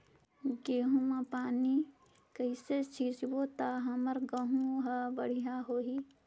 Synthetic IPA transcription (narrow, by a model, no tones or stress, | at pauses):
ɡeːɦũmapaːni | kəɪset͡ʃʰiːsbot̪aɦɐməɾɡəɦũɦabəɽ̤ijaɦoːɦi